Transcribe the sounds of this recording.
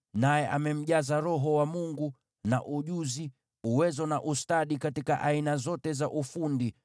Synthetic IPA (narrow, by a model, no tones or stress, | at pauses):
najɛʔa̰mɛm̩ʄazaɾɔɦɔwamuŋɡu | na̰ʔuʄuzi | uwɛzɔnaʔustaɗikatikaʔainazɔtɛzaʔufundi